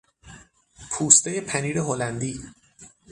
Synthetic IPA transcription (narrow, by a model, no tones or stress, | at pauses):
pʰuːst̪eje̞pʰæniːɾeɦolænd̪iː